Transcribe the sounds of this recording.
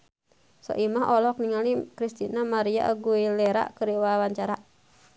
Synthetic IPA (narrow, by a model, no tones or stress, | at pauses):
sɔ̰ʔimaɦɔlɔkniŋalikɾist̪inamaɾia̰ʔəɡuilɛɾa̰ʔkəɾiwawaɲt͡ʃaɾa